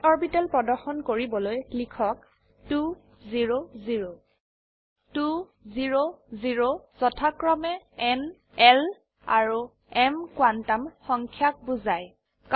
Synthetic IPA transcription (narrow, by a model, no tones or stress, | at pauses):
ɔɹbitalpɹɔdɔxɔnkoɹibɔlojlikʰɔk̚ | tu | ziɹoziɹo | tu | ziɹoziɹoz̥ɔtʰakɹɔmɛɛn | ɛl | a̰ɹu | ɛmkwantamxɔŋkʰjak̚buzaj | k